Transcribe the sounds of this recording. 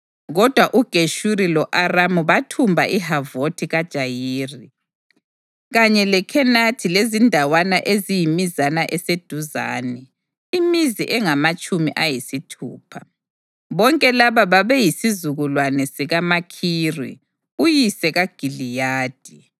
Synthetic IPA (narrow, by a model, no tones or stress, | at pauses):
ɣɔd̥ʱwaʔuɡ̥ʱeʃuɾilɔʔaramuβatʰumbʱa̰ʔiɦavotʰiɣad̥ʒ̥ʱajiːri | ɣaɲɛlɛkʰɛnatʰilezindʱawanaʔezijimizanaʔɛsed̥ʱuza̰ːnɛ | imiziʔɛŋamat͡ʃʼumiʔajisitʰṵːpʰa | βɔŋkʼɛlaβaβaβɛjisizuɣulwanɛsiɣamakʰiːrḭ | ujisɛɣaɡ̥ʱilijaːd̥ʱi